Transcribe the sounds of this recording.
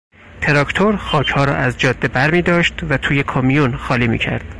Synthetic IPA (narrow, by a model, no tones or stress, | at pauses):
t̪ʰe̞ɾɒkʰt̪ʰoɾxɒːcʰhɒːɾɒ̰ːʔæzd͡ʒɒːd̪ːebæɾmiːd̪ɒːʃt̪væt̪ʰuːje̞kʰɒmijunxɒːliːmḭːcʰæ̰ɾd̪̥